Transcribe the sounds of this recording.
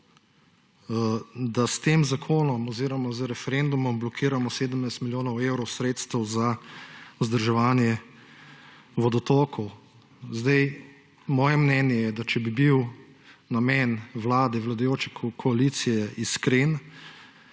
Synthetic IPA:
d̪ast̪eːmzakʰoːnɔmɔziːɾɔmɔzəɾɛfɛɾend̪umɔmblɔkʰiːɾamɔseːd̪əmnajst̪miljoːnɔwewɾɔwsɾeːt̪st̪əwza | uzd̪əɾʒɛʋaːnjɛ | ʋɔd̪ɔt̪oːkɔw | zd̪ɛj | mɔːjɛmnɛːnjɛjɛd̪at͡ʃɛbibiw | namɛːnʋlaːd̪ɛʋlad̪ajoːt͡ʃɛkʰkʰɔalit̪sijɛʔiskɾen

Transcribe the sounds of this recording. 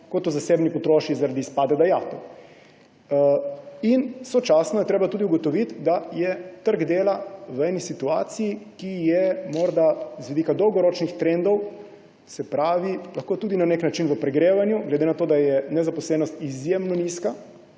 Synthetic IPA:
kot̪ɔzaseːbnipɔt̪ɾoːʃizaɾad̪iːspaːd̪ɛd̪ajaːt̪ɔ | insɔt͡ʃasnɔjɛt̪ɾeːbat̪uːd̪iuɡɔt̪ɔʋit̪d̪ajɛt̪əɾɡd̪eːlaʋəɛːnisit̪uaːt̪sijikijɛmɔɾd̪azʋid̪ikad̪ɔwɡɔɾot͡ʃnixt̪ɾend̪ɔw | sɛpɾaːʋilaxkoːt̪uːd̪inaneknat͡ʃinʋəpɾɛɡɾeːʋanjuɡlɛd̪enat̪oːd̪ajɛnɛzapɔslɛːnɔst̪izjemnɔniska

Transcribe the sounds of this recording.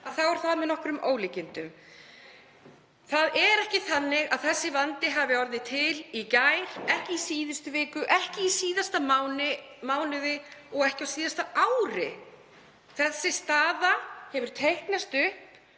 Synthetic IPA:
aðθawɛɾ̥θaðmɛðnɔhkɾʏmʔoːwlɪcɪnt̪ʏm | θaðɛɾɛhcɪθanːɪɣaðθɛsːɪvant̪ɪɦaːvɪɔɾðɪt̪ʰɪlicajɾ̥ɛhcɪisiːðʏst̪ʏvɪːkʏʔɛhcɪisiːðast̪amawnɪ | maːwnʏðɪɔɣɛhcɪawsiːðast̪aawɾɪ | θɛsːɪst̪aːðahɛvʏɾ̥t̪ʰejhknast̪ʏhp

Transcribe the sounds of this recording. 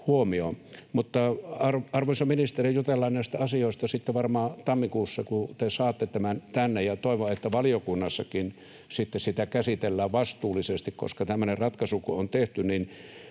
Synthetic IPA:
huomiomut̪ːɑɑrɑrʋoinsɑminist̪erijjut̪elːɑnnæˑist̪æɑsioˑest̪ɑsit̪ːeʋɑrmɑːt̪ɑmːikuːsːɑkut̪esɑːt̪ːet̪æmænt̪ænːejɑt̪oˑeʋoet̪ːæʋɑlijokunːɑsːɑkin | sit̪ːessit̪ækæsit̪elːæːʋʋɑst̪uːlːˑisest̪ikko̰skɑt̪æmːønerrɑt̪kɑsukoont̪eht̪ynin

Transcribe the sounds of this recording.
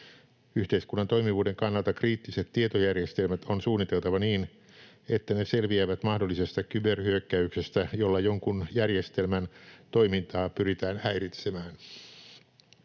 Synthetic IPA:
yht̪eiskunːɑnt̪o̞jmiʋuːde̞ŋkɑnːɑlt̪ɑkriːt̪ːise̞t̪ːiet̪ojærjest̪elmæt̪o̞nsuːnːit̪e̞lt̪ɑʋɑniːn | e̞t̪ːæne̞se̞lʋiæʋæt̪mɑhdolːisest̪ɑkyberhyøkːæykse̞st̪æjo̞lːɑjoŋkunjærjest̪elmænt̪o̞imint̪ɑːpyɾit̪æːnæjɾit̪semæːn

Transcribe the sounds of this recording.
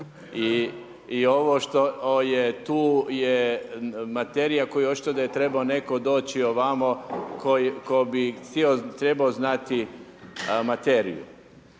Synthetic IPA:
iː | o̞ʋoʃt̪oojet̪uːje | mat̪eɾijako̞jueot͡ʃi̥t̪od̪ajet̪ɾe̞baone̞ko̞d̪o̞ːt͡ɕioʋamokʰojikobisiot̪ɾebaoznat̪i | mat̪eɾḭjṵ

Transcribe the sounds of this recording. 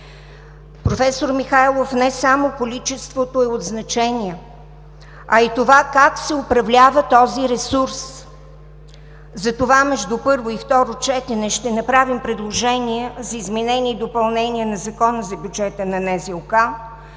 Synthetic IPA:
pɾofɛsoɾmixajlˠofnɛsamokolit͡ʃɛst̪vot̪oɛod̪znɐt͡ʃɛniɛ | ɐit̪ovakaksɛopɾɐvlʲavət̪ɔziɾɛsuɾs | zɐt̪ovamɛʒd̪upɤɾvoift̪ɔɾot͡ʃɛt̪ɛnɛʃt̪ɛnɐpɾavimpɾɛd̪lˠoʒɛniɛzɐizmɛnɛniːd̪opɐlˠnɛniɛnɐzɐkɔnəzɐbʲjud͡ʒɛt̪ənɐnɛziʊka

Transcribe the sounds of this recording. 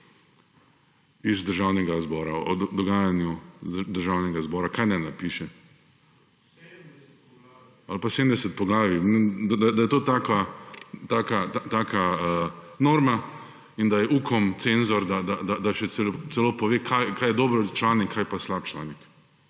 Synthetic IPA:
izd̪əɾʒawnɛɡazbɔːɾaɔd̪d̪ɔɡaːjanjud̪əɾʒawnɛɡazbɔːɾakaːjnanapiːʃɛ | alpasedmd̪ɛsɛt̪̚pɔɡlaːʋinɛd̪ad̪ajd̪ajɛt̪oːt̪akat̪aːkaat̪aːkʰaənoːɾma | ind̪ajɛʔuːkʰɔmt̪senzɔɾd̪ad̪ad̪ad̪aʃɛsɛlt̪sɛloːpɔʋeːkʰajkajɛd̪oːbɾɔt͡ʃlaːnikʰːajpaslap̚t͡ʃla̰ːnik

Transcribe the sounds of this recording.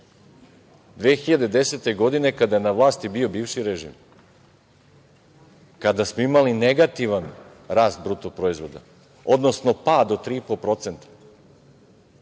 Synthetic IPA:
d̪ʋeːxiʎad̪e̞d̪e̞set̪e̞ɡo̞d̪ine̞kad̪ajenaʋlˠaːst̪ibio̞biːvʃiɾeʒḭːm | kad̪asmo̞imalineɡat̪iʋan | ɾaːst̪̚bɾuːt̪opɾo̞izʋo̞d̪a̰ | od̪no̞sno̞paːd̪ot̪ɾiːipolpɾo̞t̪sent̪ḁ

